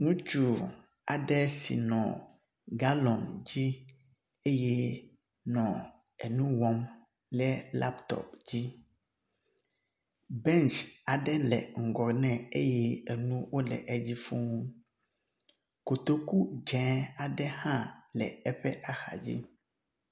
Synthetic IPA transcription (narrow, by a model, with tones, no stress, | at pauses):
ŋũ˦t͡ʃu˦˨ | a̰˨ɖɛ˦sḭ˨nɔ̰̃˨ | ɡa˦lɔ̃˨nd͡ʑi˦ | e˦jɛ˦ | nɔ̃˨ | ɛ˨nũ˦wɔ˦m | lɛ˦la̰˦pt̪ɔ̰˨pd͡ʑi˦ | bɛ̃˦nt͡ʃa˨ɖɛ˦lɛ̰˨ŋ̩˨ɡɔ˨nɛ̃˨e˦jɛ˦ɛ˨nũ˦wo˦lɛ̰˨ʔɛ˦d͡ʑi˦fu˦ŋũ˦ | ko˨t̪o˦ku˦d͡ʒɛ̃˨˦a˨ɖɛ˦hã˦lɛ̰˨ɛ˦ɸɛ˦ʔa˨xa̰˨d͡ʑḭ˦